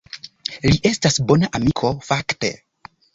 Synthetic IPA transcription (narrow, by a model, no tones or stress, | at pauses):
liʔe̞stasbo̞naʔamikʰo̞fakte̞̰